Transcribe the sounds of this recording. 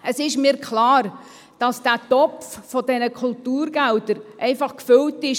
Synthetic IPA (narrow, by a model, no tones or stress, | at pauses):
əsɪʃmiːɾkʰlɑːɾ | d̥ɑsd̥æːtɔffɔdɛnəkʰʊltuːɾɡ̥ældəɾʔɛɪfɑχkfʏltɪʃ